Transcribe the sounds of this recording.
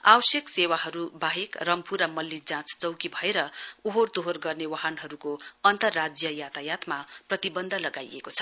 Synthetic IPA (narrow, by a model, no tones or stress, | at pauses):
awʌsjeksewaɦʌɾubaɦekrʌmpuɾamʌlːid͡zãt͡st͡sʌwkibʱʌeɾʌuɦort̪oɦorɡʌrnewaɦanɦʌɾukoʌnt̪ʌrːad͡zjʌjat̪ajat̪maprʌt̪ibʌnd̪ʱʌlʌɡajḛkot͡sʰʌ̥